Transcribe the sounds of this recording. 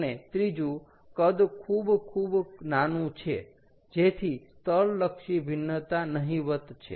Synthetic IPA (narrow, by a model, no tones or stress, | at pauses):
net̪ɾid͡ʒũ | kəd̪kʰubkʰubnanũt͡ʃʰe | d͡ʒet̪ʰi | t̪əlːəkʃibʱinːət̪anəɦĩʋət̪t͡ʃʰḛ